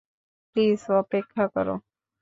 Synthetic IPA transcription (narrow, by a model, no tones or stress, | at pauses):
pliːsəpeːkʰːakəɾo̰ː